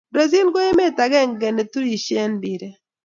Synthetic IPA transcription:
do˨zi˦lɡo˦e˦me˦ta˨ɡɛ˦˨ŋɡɛ˨ne˨tu˦i˨ʃe˦nbi˨ɾe˨

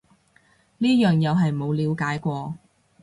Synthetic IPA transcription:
niː˥jœː˨˩ŋjɐ˨˧wɦɐ˨jmo˨˧wliː˨˧wkaː˨˥jkʷɔː˧

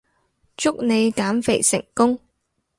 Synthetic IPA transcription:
t͡ʃʊ˥k̚ne˨˧jkaː˨˥mfe˨˩jsɪ̰˨˩ŋkʊ˥ŋ

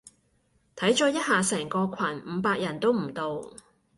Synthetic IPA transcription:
t̪ʰɐ˨˥jt͡ʃɔː˨˥jɐ˥t̚haː˨sɛː˨˩ŋkɔː˧kʰɐ˨˩nm̩ː˨˧˦paː˧k̚jɐ˨˩nt̪o˥wm̩˨˩t̪o˨w

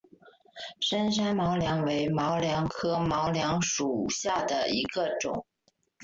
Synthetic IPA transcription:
ʂə˥nʂ̬a˥nmɑ˧˥ʊljɑ˧˥ŋwe˧˥ɪmɑ˧˥ʊljɑ˧˥ŋkʰɤ˥mɑ˧˥ʊljɑ˧˥ŋʂu˨˩ɕja˥˩d̪ə̰˩ḭ˧˥ɡə˧ʈ͡ʂʊ̰˨˩˦ŋ

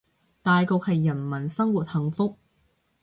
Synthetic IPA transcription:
t̪aː˨jko˨k̚hɐ˨jːɐ˨˩nmɐ˨˩nsɐ˥ŋwuː˨˩t̚hɐ˨˧ŋfʊ˥k̚

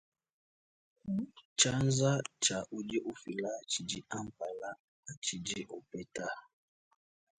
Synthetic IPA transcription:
t͡ʃa˦nza˦t͡ʃa˨ʔu˨d͡ʒɛ˦ʔu˦fi˨la˦t͡ʃi˨d͡ʒi˦a˦m˨pa˨la˦ | a˨t͡ʃi˨d͡ʒi˦ʔɔ˨pɛ˦ta˦

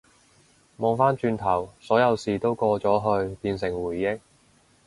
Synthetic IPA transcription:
mɔː˨˧ŋfaː˥nt͡ʃyː˧nt̪ʰɐ˨˩wsɔː˨˥jɐ˨˧wsiː˨t̪o˥wkɔː˧t͡ʃɔː˨˥ɦɵ˧ɥpiː˧nsɪ˨˩ŋwuː˨˩jːɪ˥k̚

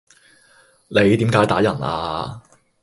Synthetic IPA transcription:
ne˨˧jt̪iː˨˥mkaː˨˥jt̪aː˨˥jɐ˨˩nʔa̰ː˧

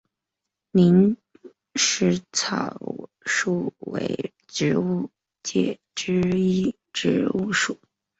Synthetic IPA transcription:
ni˧˥n | ʂɻ̩˧˥˩t͡sʰɑ˨˩ | ʂu˥˩wḛ˧˥ɪ | ʈ͡ʂɻ̩˧˥u˥˧ | t͡ɕjɛ̰˥˨˩ | ʈ͡ʂɻ̩˥i˥ | ʈ͡ʂɻ̩˧˥u˥˧ʂu˥˨˩

